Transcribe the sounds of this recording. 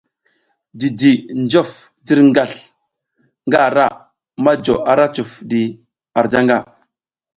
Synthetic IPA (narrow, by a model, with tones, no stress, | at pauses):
di˨di˨nd͡ʒo˦˨f | di˦ɾŋɡa˨ɬ | ŋɡa˦˨ɾa˦˨ | ma˦d͡ʒo˨a˨ɾa˦t͡ʃu˨fdi˨ | a˨ɾd͡ʒa˦ŋɡa˦˨